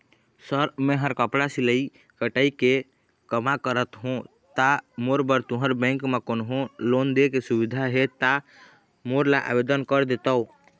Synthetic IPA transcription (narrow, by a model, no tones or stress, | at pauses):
səɾmẽɦəɾkəpɽasiləi | kəʈəike | kəmakəɾət̪ɦũ | t̪amoɾbəɾt̪oɦəɾbɛ̃ŋkmekonɦõlond̪ekesubid̪ʱaɦet̪a | moɾlaʔa̰bed̪ənkəɾd̪et̪əu